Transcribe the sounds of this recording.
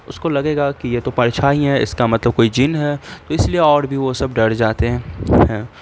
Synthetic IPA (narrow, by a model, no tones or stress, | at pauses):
ʊskolɐɡeːɡakijet̪opɐɾt͡ʃʰaːɦĩɦɛ̃ɪ̰skamɐt̪ləb̚koːid͡ʒɪnɦɛːt̪oɪslieɔːɾbʱiʋosɐbɖɐɾd͡ʒaːt̪eɦɛ̃hɛ̃ː